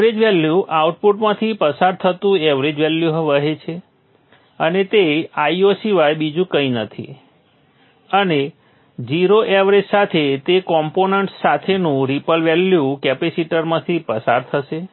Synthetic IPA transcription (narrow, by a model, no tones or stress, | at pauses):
ɾed͡ʒʋɛljuʔauʈ̚puʈmãt̪ʰipəsaɾt̪ʰət̪ũɛʋɾed͡ʒʋɛljuɦʋəɦet͡ʃʰe | ənet̪eaiosiʋajbid͡ʒũkəinət̪ʰḭ | əne | d͡ʒiɾoʔeʋɾed͡ʒsat̪ʰet̪ekɔmponəɳʈsat̪ʰenũɾipəlʋɛljukɛpesiʈəɾmãt̪ʰipəsa̰ɾt̪ʰəʃe